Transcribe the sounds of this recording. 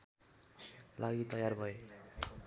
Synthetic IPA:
laɡit̪ʌjarbʱʌe

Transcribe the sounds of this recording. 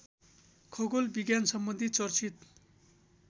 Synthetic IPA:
kʰʌɡolbiɡjansʌmbʌnd̪ʱit͡sʌrt͡sʰit̪

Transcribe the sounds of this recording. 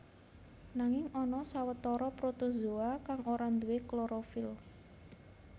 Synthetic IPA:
naŋɪŋɔnɔsawət̪ɔɾɔpɾot̪ozoakaŋʔoɾand̪uwekloɾofɪl

